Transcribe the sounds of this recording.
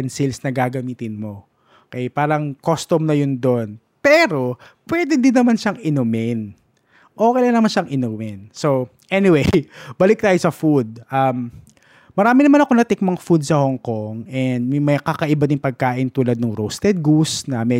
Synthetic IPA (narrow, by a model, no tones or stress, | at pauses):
ɛnsilsnɐɡaːɡɐmiːt̪ɪnmo̞ | okɛjpaːɾɐŋkost̪omnɐjond̪o̞n | pɛːɾo̞ | pwɛd̪ɪnd̪ɪnːɐmanʃɐŋʔɪnʊmɪn | ʔoːkɛjlanɐmanʃɐŋʔɪnumɪnso | ʔɛnɪwejbɐlɪk̚t̪aːjosɐfud̪̚ʔɐmː | ɐɾaːmɪnɐmanɐko̞nɐt̪ɪk̚mɐŋfud̪̚sɐhoŋkoŋʔɛnd̪̚mmɐjkakɐʔɪbad̪ɪŋpɐɡ̚kaːʔɪnt̪uːlɐd̪̚nʊŋɾowst̪ɛd̪̚ɡusnɐmɛ